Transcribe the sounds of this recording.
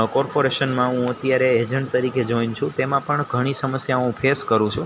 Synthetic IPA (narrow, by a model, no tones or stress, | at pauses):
kɔɾpoɾeʃənmãɦũət̪jaɾeːd͡ʒəɳɖ̚t̪əɾiked͡ʒoint͡ʃʰũt̪emãpəɳɡʱəɽ̃isəməsjaɦũpʰeskəɾũt͡ʃʰũ